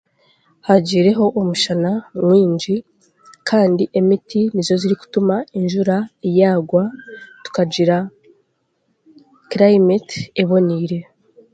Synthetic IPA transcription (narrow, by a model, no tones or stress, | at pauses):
haɟiːɾe̞ɦo̞ʔomuʃanamwiːɲd͡ʒi | kʰaːndiʔe̞mitinizo̞ziɾiku̥tumainʒuɾajaːɡwatu̥kaɟiɾa | kɾaimeteβo̞niːɾe̞